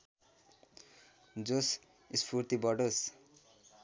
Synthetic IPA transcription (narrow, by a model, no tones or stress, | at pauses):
d͡zos | ispʰuɾt̪ibʌɖos